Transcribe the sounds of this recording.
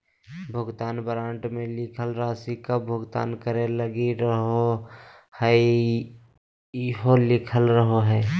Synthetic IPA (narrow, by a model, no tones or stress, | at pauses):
bʱəɡt̪aːnbəɾãːɳʈmẽlɪkʰəlɾaːsikabʱəɡt̪a̰ːnkəɾeləɡiɾəɦo | hɛ | ɦolɪkʰəlɾəɦoɦɛː